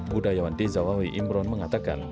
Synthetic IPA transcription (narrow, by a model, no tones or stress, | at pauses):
budajawandezawawiʔimbɾɔnməŋat̪aka̰n